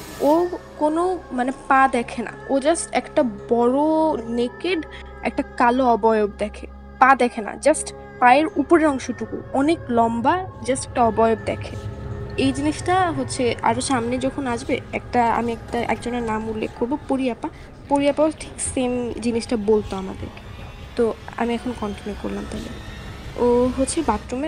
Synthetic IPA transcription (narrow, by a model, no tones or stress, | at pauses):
okonomanepad̪ɛkʰena̰od͡ʑasʈɛ̰kʈabɔɾonekeɖ | ɛ̰k̚ʈakaloɔbɔjob̚d̪ɛkʰe | pad̪ɛkʰena̰d͡ʑasʈ | paeɾupoɾeɾɔŋʃoʈukṵɔneklɔmbad͡ʑasʈɛk̚ʈaɔbɔjoɡ̚d̪ɛ̰kʰeejd͡ʑiniʃʈaɦotːɕʰea̰ɾoʃamned͡ʑɔkʰonaʃbeɛ̰k̚ʈaa̰miɛk̚ʈaʔɛ̰kd͡ʑonenamulːḛkʰkoɾbopoɾiapa | poɾiapaboleʈʰi̥ksemd͡ʑiniʃʈabolt̪oama̰d̪ḛɾke̥ | t̪oa̰miɛkʰonkɔnʈinjuko̰ɾlamt̪ɔlḛoɦotːɕʰebat̪ːɾome